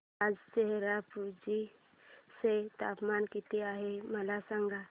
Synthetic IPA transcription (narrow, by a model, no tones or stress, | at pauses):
ad͡ʒt͡ʃɛɦɾapud͡ʒi | set̪apmankit̪iaɦeməlasaŋɡa